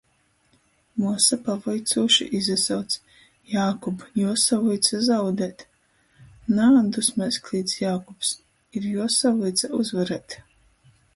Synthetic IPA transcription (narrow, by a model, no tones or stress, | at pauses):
muɔsapavɔjt̪suːʃḭʔizasawt̪s | jaːkɔbjuɔsavujt̪sazawd̪ɛːt̪ | naːd̪usmɛsklʲˠiːd̪sjaːkɔps | iɾjuɔsavujt̪sauzvaɾɛt̪